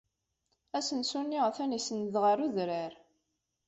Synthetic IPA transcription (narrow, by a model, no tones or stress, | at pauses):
æsənsunːiʁθænisənðʁəɾuðɾəɾ